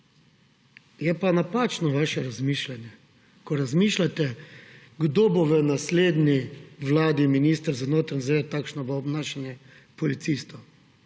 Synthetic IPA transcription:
jɛpanapaːt͡ʃnɔʋaːʃɛɾazmiːʃlanjɛ | kɔɾazmiːʃlat̪ɛ | ɡd̪oboʋənasleːd̪niʋlaːd̪iminiːst̪əɾzanoːt̪ɾnzʋet̪aːkʃnɔʋaɔbnaːʃanjɛ | pɔlit̪sist̪ɔ

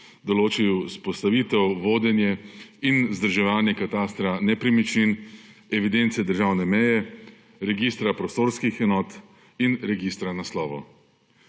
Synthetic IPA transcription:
d̪ɔloːt͡ʃijuspɔst̪aʋiːt̪ɛwʋoːd̪ɛnjɛinzd̪əɾʒɛʋaːnjɛkat̪aːst̪ɾanɛpɾimit͡ʃinɛʋid̪ent̪sɛd̪əɾʒaːwnɛmɛjɛ | ɾɛɡist̪ɾapɾɔst̪oːɾskixɛnɔːt̪ | inɾɛɡist̪ɾanaslɔːʋɔ̰

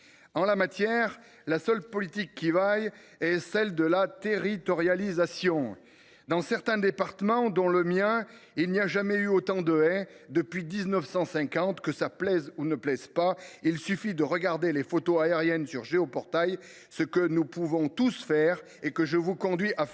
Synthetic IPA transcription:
ɑ̃lamat̪jɛʁ | lasœlpɔlit̪ikːivaj | ɛsɛld̪əlat̪eʁit̪ɔʁjalizasjɔ̃ | d̪ɑ̃sɛʁt̪ɛ̃d̪epaʁt̪əmɑ̃d̪ɔ̃ləmjɛ̃ | ilniaʒamɛyot̪ɑ̃d̪əɛ̃d̪əpɥid̪iznəfsɑ̃sɛ̃kɑ̃t̪kəsaplɛzunəplɛzpailsyfid̪əʁəɡaʁd̪elefot̪oaeʁjɛnsyʁʒeopɔʁt̪aj | səkənupuvɔ̃t̪usfɛʁ | ekəʒəvukɔ̃d̪ɥiʔa

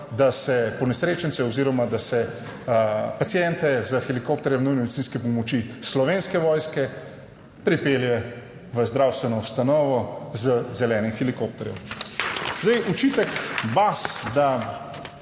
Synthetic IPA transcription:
d̪asɛpɔnɛsɾeːt͡ʃənsɛɔziːɾɔmad̪asɛ | pat̪sijɛnt̪ɛzəxɛlikoːp̚t̪ɛɾjɛmnujnmed̪it̪t͡s̪iːnskɛpɔmɔt͡ʃislɔʋeːnskɛʋɔːjskɛ | pɾipeːljɛ | ʋəzd̪ɾawst̪ʋɛnɔust̪anɔːʋɔzəzɛlɛːnimxɛlikop̚t̪ɛɾjɛ̰w | zd̪ajut͡ʃiːt̪ɛkbasd̪a

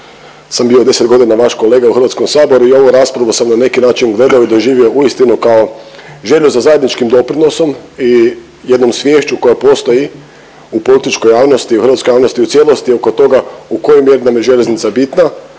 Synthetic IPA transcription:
sambio̞d̪e̞set̪ɡo̞d̪inaʋaʃko̞leːɡauxɾʋat̪sko̞msaːbo̞ɾuio̞ʋoɾaspɾaʋosamnane̞kinaːt͡ʃinɡle̞d̪aoid̪o̞ʒiːʋio̞ʔuist̪inukao̞ʒe̞ʎuzazaje̞d̪nit͡ʃkimd̪o̞pɾino̞so̞mi | je̞d̪no̞msʋʲje̞ːʃt͡ʃuko̞japo̞st̪o̞ji | upo̞lit̪it͡ʃko̞jaːʋno̞st̪iuxɾʋat̪skojaːʋno̞st̪iut̪sjelo̞st̪io̞ko̞t̪o̞ɡauko̞jomje̞ɾinamje̞ʒe̞lʎe̞znit̪sabit̪na

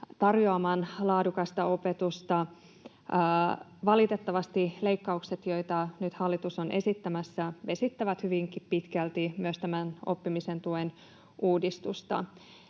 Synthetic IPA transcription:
t̪ɑrjoɑmɑːnlɑːdukɑst̪ɑo̞pe̞t̪ust̪ɑ | ʋɑlit̪e̞t̪ːɑʋɑst̪ile̞ikːɑukset̪jo̞it̪ɑnyt̪hɑlːit̪usonʔe̞sit̪ːæmæsːæʋe̞sit̪ːæʋæt̪hyʋiŋkippit̪kælt̪imyøst̪æmæno̰pːimise̞nt̪uen | uːdist̪ust̪ɑ̰

